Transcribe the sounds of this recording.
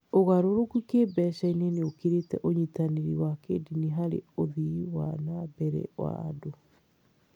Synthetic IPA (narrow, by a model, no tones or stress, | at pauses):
oɣaɾoɾokukebɛɕaineneokiɾetɛ̰ʔoɲitaneɾḭwakediniɦaɾḛoðiwa̰nabɛɾɛ̰wa̰a̰do